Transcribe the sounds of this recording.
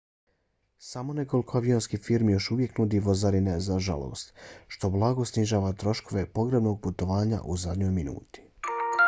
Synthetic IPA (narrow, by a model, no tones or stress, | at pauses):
samo̞ne̞ko̞likʰoaʋionskifiɾmijo̞ʃuʋje̞knud̪iʋozaɾinazaʒa̰lˠo̰ːst̪ʃt̪o̞blˠaɡo̞sniʒaːʋat̪ɾo̞ʃko̞ʋe̞po̞ɡɾebno̞ɡ̚put̪o̞ʋaːɲa̰ʔuzad̪ɲo̞jminṵːt̪i̥